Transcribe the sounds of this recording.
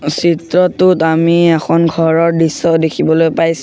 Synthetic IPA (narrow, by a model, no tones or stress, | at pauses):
sitɹɔtʊtamiɛxʰɔnɡʱɔɹɔɹdisːɔdekʰibɔlojpajs